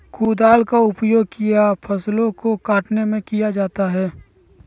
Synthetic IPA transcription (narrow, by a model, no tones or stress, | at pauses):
kʰuːd̪aːlkaʊpjoːɡ̚kijapʰɐslõkokaːʈnemẽkijad͡ʒaːt̪aɦɛː